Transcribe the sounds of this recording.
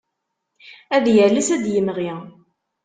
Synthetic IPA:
æðjəlæsæd̪jəmʁi

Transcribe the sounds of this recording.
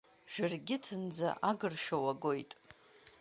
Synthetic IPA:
ʒ̥ᶣarɡʲɪtʰɨnd͡za̰ʔaɡɨrʃᶣowaɡo̞jtʼ

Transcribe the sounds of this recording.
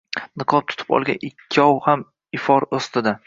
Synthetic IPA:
nɨqʰɒp̚t̪ʰʊ̥t̪ʰɪ̥pɒ̰lˠɡʲa̰nɪkʲʰːɪɒwham | ɪfɒɾost̪ɪd̪a

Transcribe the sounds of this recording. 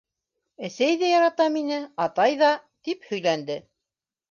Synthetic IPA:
æsæjðæjɑɾɑt̪ɑminɘɑt̪ɑjðɑt̪iphɵ̆jlænd̪ɘ

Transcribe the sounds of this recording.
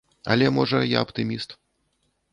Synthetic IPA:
ɐ̰lʲɛmɔʐɐja̰ɐpt̪ɨmʲist̪

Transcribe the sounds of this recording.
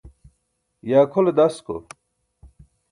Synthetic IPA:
jaːkʰoled̪ɐsko̰

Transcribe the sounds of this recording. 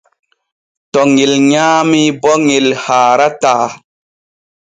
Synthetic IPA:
tɔŋelɲaːmibɔŋelhaːɾataː

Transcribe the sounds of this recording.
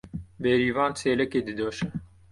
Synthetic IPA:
bɛɾiːvɑːnt͡sʰeːlɛkeːd̪ɨd̪oːʃɛ

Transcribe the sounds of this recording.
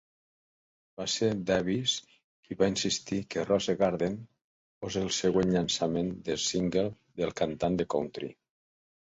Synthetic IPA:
baseɾd̪ɛβis | iβainsist̪ikerɔzeɣaɾðen | fɔzelˠseɣ̞wenʎansamend̪elˠsiŋɡel | ðelˠkant̪and̪ekownt̪ɾḭ

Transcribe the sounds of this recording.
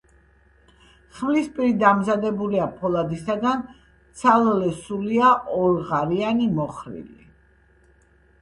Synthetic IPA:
χmlispʼiɾid̪amzad̪ɛbuliapʰɔlˠad̪isad̪an | t̪sʰalˠlɛsuliaʔɔɾʁaɾianimɔχɾḭlḭ

